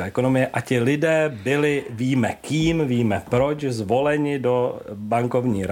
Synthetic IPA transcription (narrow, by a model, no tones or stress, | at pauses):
aːʔɛko̞no̞mɪjɛʔacɪlɪdɛːbɪlɪviːmɛkiːmviːmɛpɾo̞t͡ʃzvo̞lɛɲɪdo̞baŋko̞vɲiːɾ